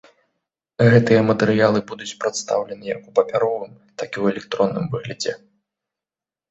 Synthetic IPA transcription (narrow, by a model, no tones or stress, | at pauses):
ɣɛt̪ɨjɐmɐt̪ɛɾɨjalˠɨbud̪ut͡sʲpɾat̪st̪a̰wlʲɛnɨjɐ̰kupɐpʲaɾɔvɨm | t̪akʲiwɛlʲɛk̚t̪ɾɔnːɨmvɨɣlʲɐd͡zʲɛ